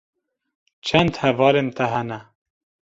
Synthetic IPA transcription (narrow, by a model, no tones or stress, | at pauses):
t͡ʃʰɛnd̪hɛvɑːlent̪ʰɛɦɛnɛ